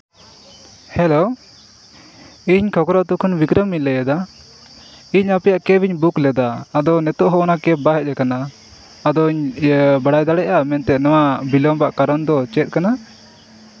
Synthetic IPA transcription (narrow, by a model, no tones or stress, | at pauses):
hɛlo | iɲkʰɔkɾɔʔt̪ukʰunbikɾəmiɲlɛjɛd̪a | iɲapɛjaʔkɛbiɲbuklɛd̪aːd̪ɔnɛt̪ɔʔɦɔɔnakɛbaɦɛc̪̚ɛkanaː | d̪ɔiɲbaɽajd̪aɽɛʔamɛnt̪ɛnɔwabilɔmbaʔkaɾɔnd̪ɔt͡ʃɛt̪̚ˀkana